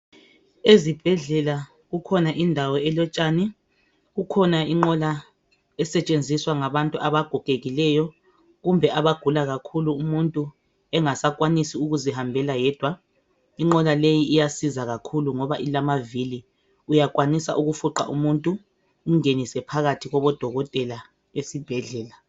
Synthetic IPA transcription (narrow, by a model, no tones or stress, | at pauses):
ezib̥ʱɛɮɛla | ɣukʰɔnaʔindʱawɔɛlɔt͡ʃʼani | ɣukʰɔnaiŋ͡ǃɔla | ɛsɛt͡ʃʼend͡zʱiswaŋaβantʼuʔaβaɡ̥ʱɔkʼeɣilɛjɔ | ɣumbʱɛʔaβaɡ̥ʱulaɣakʰuluːmuntʼu | ɛŋasak̬ʼwanisiuɣuzihambʱɛlajɛːd̥ʱwa | iŋ͡ǃɔlalejiːjasizaɣakʰuluŋɔβaʔilamavili | ujakʼwanisa̰ʔuɣufuǃa̰ʔṵmuntʼu | um̩ŋenisɛpʰaɣatʰiɣɔβɔd̥ʱɔɣɔtʼɛla | esib̥ʱɛɮɛːla